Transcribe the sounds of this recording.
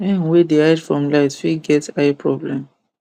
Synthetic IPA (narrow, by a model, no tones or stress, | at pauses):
ɛ̃nwedeajdfɹɔ̃mlaɪtfiɡɛtajpʰɹɔblɛ̃m